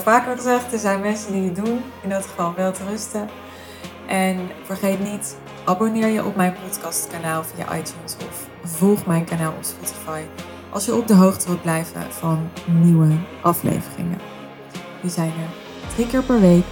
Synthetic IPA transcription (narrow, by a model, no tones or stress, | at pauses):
faːkχəzɛχtəɹzɛjnmɛnsəndiədun | ɪnɔtχəvɑlˠʋɛlˠtərɵstə | ʔɛnv̥əɹχejtnit | ʔabonɪːɹjəʔɔp̚mɛjnpɔtkɑstkanaːlˠvija̰ʔɑ̰jtjunsɔf | vɔlˠχmɛjnkanaːlˠɔ̰pspɔti̥fɑj | ʔɑ̰lˠsjəɔp̚dəɦowχtəʋɪl̚ˠblɛjvə̰v̥ɑnːiwəʔɑflḛjvərɪ̰ŋə̰ | ʋəzɛjnə | trikɪːɹpɛɹʋejk